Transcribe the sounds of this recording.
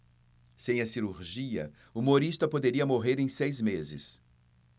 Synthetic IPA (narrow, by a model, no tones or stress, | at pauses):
sẽj̃ɐsiɾuɾʒiɐ̰ | umoɾist̪ɐpod̪eɾiɐmoɦeɾẽj̃sejzmezɪ̰s